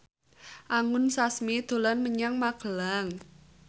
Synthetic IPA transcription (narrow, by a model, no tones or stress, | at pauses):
ʔaŋʊnsasmid̪̥o̤lanməɲaŋmaɡ̥əlaŋ